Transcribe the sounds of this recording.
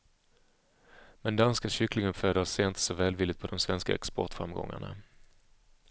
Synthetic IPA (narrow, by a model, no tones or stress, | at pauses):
mɛnd̪anskaɕʏklɪŋənføːd̪əaseːnt̪sɔvɛːlvɪlːɪɡt̪̚pʰɔd̪ɔmsvɛnska̰ɛ̰kspɔʈfɾamɡɔ̰ŋːa̰ɳa̰